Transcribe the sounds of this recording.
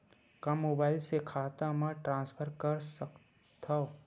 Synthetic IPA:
kamːoːbaːɪlsekʰaːt̪amãʈɾãːnspʰəɾkəɾsək | t̪ʰa

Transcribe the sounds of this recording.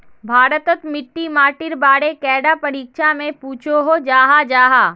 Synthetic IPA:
bʱaːɾət̪ət̪mɪʈːimaːʈɪɾbaːɽekɛːɖapɐɾiːkʃamẽpuːt͡ʃʰoɦod͡ʒaːɦad͡ʒaːɦaː

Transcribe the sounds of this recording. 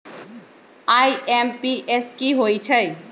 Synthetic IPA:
aːiempiʔeskiɦoːit͡ʃʰə

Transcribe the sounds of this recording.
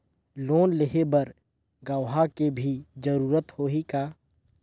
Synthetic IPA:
loːnlɪɦebɐɾ | ɡəʋɦakebʱid͡ʒəɾuːɾət̪hoːɦikaː

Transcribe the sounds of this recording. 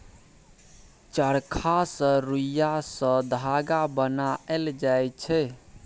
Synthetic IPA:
t͡ʃəɾkʰasə̃ɾujasə̃d̪ʱaɡabənaeld͡ʒajt͡ʃʰɛ

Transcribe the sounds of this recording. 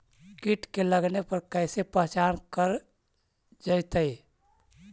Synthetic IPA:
kiʈkeləɡnepəɾkəɪsepəɦt͡ʃankəɾ | d͡ʒəjt̪əj

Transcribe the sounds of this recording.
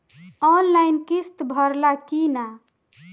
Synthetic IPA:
ɔnlajnkist̪bʱʌɾlakina

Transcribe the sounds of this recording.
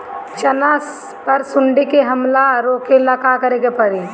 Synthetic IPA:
t͡ʃɐnaːs | pɐɾsʊɳɖikeɦɐmlaɾoːkelakakəɾeɡepɐɾi

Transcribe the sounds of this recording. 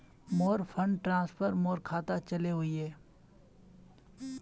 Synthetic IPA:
mɔːɾpʰə̃ɳɖʈɾãːspʰəɾmɔːɾkʰaːt̪at͡ʃɐleɦʊiɦɛː

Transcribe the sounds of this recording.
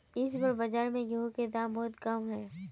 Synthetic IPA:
ɪs̬bəɾbɐd͡ʒaːɾmẽɡeõked̪ãːmbɔːʊt̪kɐmɦɛː

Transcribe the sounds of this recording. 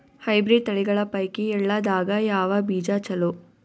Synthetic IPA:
hɐjbɾiːɖ̚t̪ɐɭiɡɐɭɐpɐjkiɛlːɐd̪aːɡɐjaːʋɐbiːd͡ʒaːt͡ʃɐlu

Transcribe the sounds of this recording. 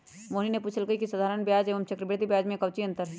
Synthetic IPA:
moːninepuːt͡ʃʰəlɡəikisəd̪ʱaːɾənbjaːd͡ʒeːʋəmt͡ʃɐkɾɪbet̪ibjaːd͡ʒmẽkɐʋt͡ʃiɐ̃nt̪əɾɦ

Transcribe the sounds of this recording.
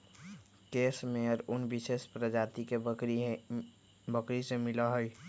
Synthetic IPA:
keːsmẽɔɾʊnbɪʃeːspɾəd͡ʒaːt̪ike | bəkɾisemɪlaɦoj

